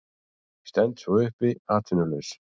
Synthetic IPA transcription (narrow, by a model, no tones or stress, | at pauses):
st̪ɛnt̪svɔʏhpɪaːt̪ʰʏnʏlʏs